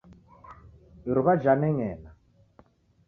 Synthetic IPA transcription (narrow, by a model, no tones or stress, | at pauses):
iɾuβad͡ʒanɛŋɛːna